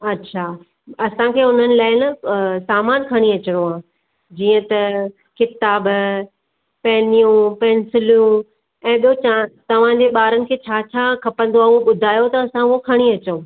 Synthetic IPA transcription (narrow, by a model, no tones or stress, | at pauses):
ɐtːɕʰaː | ɐsãkʰeːʊn̤ənɪ̆laːɪnɐsaːmaːnkʰɐɽ̃iɐt͡ɕəɽoɦãː | d͡ʑiːə̃t̪ɐ | kɪt̪aːb | pɐɦɪnijũpɛːnsɪljũ | ɛ̃ːɓijot͡ɕat̪ɐʋ̤ãd͡ʑeːɓaːɾənɪ̆kʰeːt͡ɕʰaːt͡ɕʰaːkʰɐpə̃nd̪oaːuɦoɓʊd̪ʱaːjot̪ɐːsãuɦokʰɐɽ̃iɐt͡ɕõ